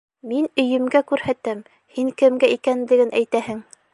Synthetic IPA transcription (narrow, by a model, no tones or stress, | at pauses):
minɵ̆jɘ̆mɡækʉɾhæt̪æm | hiŋkɘ̆mɡæʔikænlɘ̆ɡɘnʔæjt̪æhɘŋ